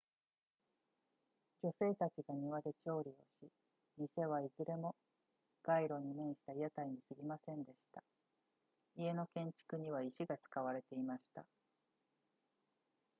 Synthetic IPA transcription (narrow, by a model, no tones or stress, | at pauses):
d͡ʑo̞se̞ːt̪at͡ɕiɡaɲ̟iβad̪e̞t͡ɕo̞ːɾʲio̞ɕi | ɾʲise̞β̞aizɨɾe̞mo̞ | ɡ̥aiɾo̞ɲ̟imẽ̞ɰ̃ɕi̥t̪aijat̪aiɲ̟isɨɡʲimasẽ̞nd̪e̞ɕi̥t̪a | ie̞no̞kẽ̞ɲ̟t͡ɕi̥kɯ̟ɲ̟iβ̞aiɕiɡat͡sɨ̥kaβ̞aɾe̞t̪e̞imaɕi̥t̪a̰